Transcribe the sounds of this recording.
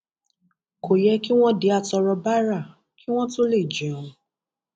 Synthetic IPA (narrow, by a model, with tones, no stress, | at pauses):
ko˨jɛ˧˦ki˦w̃ɔ̃˦de˨˧˦a˧tɔ˧ɾɔ˧ba˦ɾa˦˨ | ki˦w̃ɔ̃˦to˦le˦˨d͡ʒɛ̃˨˦˨ũ˧